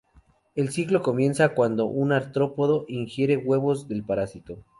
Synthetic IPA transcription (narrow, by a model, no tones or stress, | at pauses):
e̞lsiklo̞ko̞mjẽ̞nsakwand̪o̞̰ʔunaɾt̪ɾo̞po̞ðo̞ʔiŋxje̞ɾe̞ɣwe̞βo̞zðe̞lpaɾasit̪o